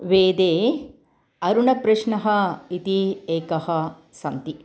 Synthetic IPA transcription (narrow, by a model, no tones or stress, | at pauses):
ʋeːd̪eː | ɐɾuɳɐpɾɐʃnɐɦɐit̪ieːkɐhɐ̆ | sɐnt̪i